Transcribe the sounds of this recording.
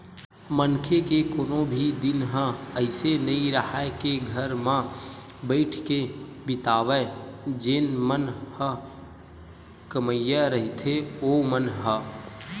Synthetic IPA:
mənkʰekekoːnobʱid̪ɪnɦə̃əɪsenəĩɾəhaekeɡʱəɾmã | bəɪʈʰke | bɪt̪aːʋɛd͡ʒeːnmənhə | kəməjaɾəɦɪt̪ʰeomənɦə

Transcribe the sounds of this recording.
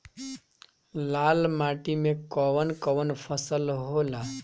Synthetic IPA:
laːlmaʈimẽkɔʋənkəʋənpʰəsəlɦola

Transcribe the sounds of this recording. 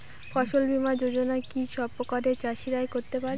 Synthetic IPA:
fɔʃolbʱimad͡ʑod͡ʑonakiʃɔbpːokaɾet͡ɕaʃiɾaekoɾt̪epaɾ

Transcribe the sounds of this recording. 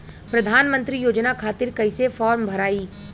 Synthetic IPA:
pɾɐd̪ʱaːnmə̃nt̪ɾijoːd͡ʒnakʰaːt̪ɪɾkɐɪsefɔːɾmbʱɐɾaːiː

